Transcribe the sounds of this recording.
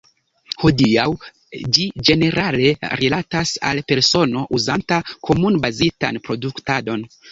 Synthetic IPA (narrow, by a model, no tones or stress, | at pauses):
ho̞diaw | d͡ʒid͡ʒe̞ne̞ɾʔale̞ɾilatasa̰lpe̞ɾso̞no̞ʔuzantakʰo̞munbazita̰npɾo̞duktado̞n